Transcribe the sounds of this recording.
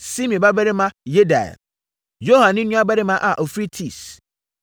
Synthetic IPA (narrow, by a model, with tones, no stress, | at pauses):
si˦mĩ˨ba˦bɛ˦ɾɪ˦mã˦je˦da̰˨ɛ̰˨ | jo˦hã˨nɪ̃˦nũ˦a˦bɛ˦ɾɪ˦mã˦ʔa˨ʔɔ˨fɾi˦tʰi˦˨s